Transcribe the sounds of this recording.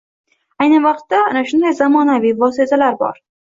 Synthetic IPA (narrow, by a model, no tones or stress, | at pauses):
ajnɨvɑqt̪ːaanaʃʊnd̪ajzamɒnavijvɒsezalaɾbɒ̰ɾ